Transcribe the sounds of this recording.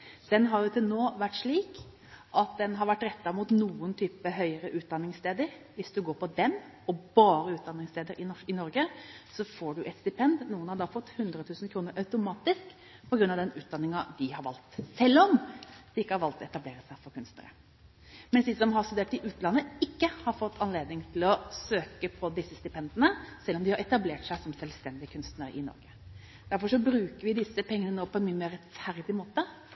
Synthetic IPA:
d̪̥ɛnɦɑɾjʊt̪ʰɪlnoːʋæʈːʂɭiːk | ʔɑt̪̚d̪ɛnɦɑɾʋæʈːɾɛt̪ːɑmuːt̪nuːənt̪ʰyːpəɦœʏəɾəʔʉːt̪̚d̪ɑnːɪŋst̪eːd̪əɾ | ʋɪsd̪ʉɡoːɾpɔd̪ɛn | ɔbɑːɾəʉːt̪̚d̪ɑnːɪŋst̪eːd̪əɾɪɔɪnɔɾɡəsɔfoːɖʉʔɛt̪st̪ɪpʰɛnd̪nuːənhɑɾd̪ɑfɔt̪ːhʉnd̪ɾət̪ʰʉːsən̩kʰɾuːnəɾʔɑʉt̪ʊmɑːt̪ɪsk | pʰɔɡɾʉnːɑʋd̪ɛnʉːt̪̚d̪ɑnːɪŋɑd̪ɪhɑɾʋɑ̰lt̪sɛlːɔmd̪̥ɪɪkːəhɑɾʋɑlt̪ɛt̪ɑbleːɾəsæɪfɔɾkʰʉnst̪nə̰ɾə̰ | mɛnsd̪iːsɔmɦɑɾst̪ʉd̪eːʈɪʔʉːt̪lɑnːəɪkːəhɑɾfɔt̪ːʰɑnleːd̪nɪŋt̪ʰɪlɔsøːkəpʰɔd̪ɪsːəst̪ɪpʰɛnd̪ənəsɛlːɔmd̪ɪhɑɾɛt̪ɑbleːʈsæɪsɔmsɛlst̪ɛnd̪ɪəkʰʉnst̪nəɾɪ̰nɔ̰ɾɡə | d̪̥æɾfɔʂɔbɾʉːkəɾʋɪd̪ɪsəpʰɛŋːənənoːpʰɔɛnmyːəmeːɾɛt̪fæɾd̪ɪmoːt̪ə

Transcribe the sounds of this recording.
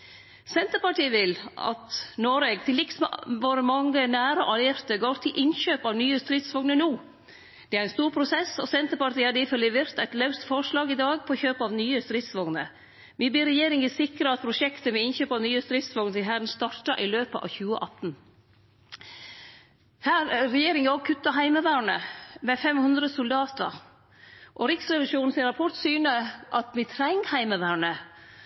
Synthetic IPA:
sɛnt̪əpɑʈiːəʋɪlɑ̰t̪nɔɾeɡt̪ʰɪlːɪksmʋoːɾəmɑŋːənæːɾəʔɑlæɾt̪əɡoːɾt̪ʰɪlʔɪnçøːpɑʋnyːəst̪ɾɪt̪sʋɔŋnənuː | d̪̥ɛæɾɛnst̪uːɾpʰɾʊsɛsɔ̰sɛnt̪əɾpɑʈiːæɖɛɪfœlːɪʋeːɾt̪æɪt̪lɑʉst̪fɔɾʂlɑːɡɪd̪ɑːɡpʰɔçøːpəɑʋnyːəst̪ɾɪt̪sʋɔŋnə | ʋibiːɾɛjeːɾɪŋɪsɪkɾəɑt̪̚pʰɾʊʂɛkt̪əʋɛɪnçøːpɑʋnyːəst̪ɾɪt̪sʋɔŋnəsɪɦæːɾn̩st̪ɑʈɑʔɪløːpəʔɑ̰ʋçʉːəʔɑt̪n̩ | hæːɾɾɛjeːɾɪŋɔɡ̚kʰʉt̪ːɑɦæɪməʋæːɳəmɛfɛmhʉnd̪ɾəsʊld̪ɑːt̪ə̰ɾ | ʔɔɾɪksɾɛʋɪʂuːnn̩sɪɾɑpʰɔʈ̪syːnəʔɑt̪mɪt̪ʰɾæɪŋhæɪməʋæːɳə

